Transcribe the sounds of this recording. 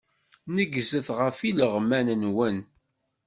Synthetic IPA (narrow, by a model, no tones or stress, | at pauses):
nəɡzəθʁəfiləʁmænnwən